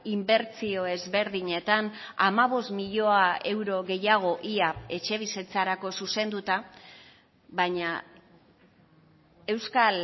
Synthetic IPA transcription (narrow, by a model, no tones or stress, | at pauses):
imbe̞ɾt͡sio̞e̞zβe̞ɾðiɲe̞t̪anamaβ̞o̞st̪miʎo̞ae̞wɾo̞ɣe̞jaɣ̞o̞ʔiae̞t͡ʃe̞β̞iset͡saɾako̞suse̞nd̪ut̪a | βaɲa | e̞wskal